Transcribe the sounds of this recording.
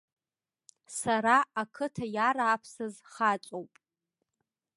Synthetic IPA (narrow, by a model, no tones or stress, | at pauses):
saɾaakʰɨtʰajaɾaːpʰsɨzχat͡ʃʷʼowpʼ